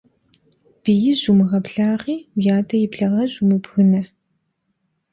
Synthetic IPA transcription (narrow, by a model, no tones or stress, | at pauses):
b̥ɨjɪʑumɨʁɐpɬaːʁiːwjaːdɐjɪpɬɐʁɐʑumɨbɣɨnɐ